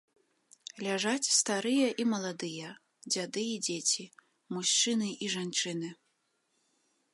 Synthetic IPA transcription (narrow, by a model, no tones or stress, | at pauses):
lʲaʐat͡sʲst̪aɾɨjɐʔimɐlˠad̪ɨjɐ | d͡zʲad̪ɨjɐɛd͡zʲet͡sʲi | muʃt͡ʂɨnɨʔiʐant͡ʂɨnɨ